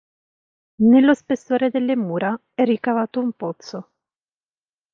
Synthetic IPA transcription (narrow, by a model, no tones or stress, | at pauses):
nelːospesːoːɾed̪elːemuːɾa | ɛrːikavaːt̪oumpot̪so